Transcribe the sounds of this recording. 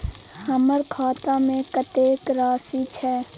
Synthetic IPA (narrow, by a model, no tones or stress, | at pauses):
həməɾkʰaːt̪amẽkət̪eːkɾaːsit͡ʃʰɛː